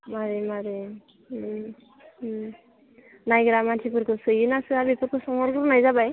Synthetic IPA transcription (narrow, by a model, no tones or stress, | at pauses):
maɾemaɾe | najɡɯɾamantʰipɯɾkʰɯsɯjɯnasɯabipuɾkʰɯsɔŋɔɾɡɯɾnajzabaj